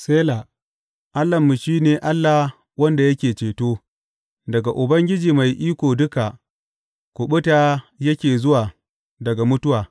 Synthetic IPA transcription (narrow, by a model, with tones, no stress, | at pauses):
seː˦la˨ | ʔa˦lːɐ˨mːu˨ʃiː˦neː˨ʔa˦lːa˨ | wɐ˦nda˨jɐ˦kʲeː˨t͡ʃeː˨toː˦ | dɐ˨ɡa˨ʔʊ˨bɐ˦ŋɡʲɪ˦d͡ʒiː˨ma˨jʔiː˦kʷoː˨dʊ˦ka˨ | kʷʊ˨ɓʊ˦taː˦jɐ˦kʲeː˨zʊ˦waː˨ | dɐ˨ɡa˨mʊ˦tʊ˦waː˨